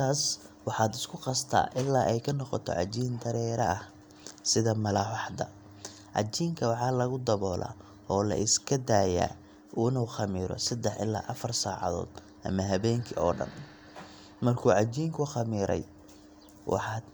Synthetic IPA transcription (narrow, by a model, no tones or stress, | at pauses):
t̪ʰaːs | wɑħɑːd̪ɪskʰʊqɑst̪ʰa̰ːʔɪlːaːʔɛjkʰɐnɔqɔt̪ʰɔ̰ʕɑt͡ʃiːnd̪ɐɾɛːɾɐɐh | sɪðɐmɐlaːwɑħd̪ɐ̰ | ʕɑ̰t͡ʃiːŋkʰɐwɑħɑːlɐɣʊd̪ɐβɔːlʔa̰ː | ɔːlɐ̰ʔɪskʰɐd̪aːja̰ː | ʔuːnuːxɑmiːɾɔ̰sɐd̪ɛħɪ̰lːa̰ːʔɐfɐrsaːʕɑ̰ðɔ̰ːd̪ | ʔɐ̰mɐɦɐβɛːŋkʰɪɔːɖɐ̰n | mɐrkʰuːʕɑt͡ʃiːŋkʰʊxɑmiːɾɛ̰j | wʔɑ̰ħɑːd̪